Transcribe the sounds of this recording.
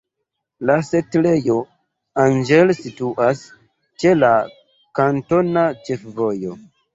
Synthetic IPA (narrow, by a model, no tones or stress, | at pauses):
lasetlejo | and͡ʒelsituʔas | t͡ʃe̞la | kanto̞nat͡ʃefvojo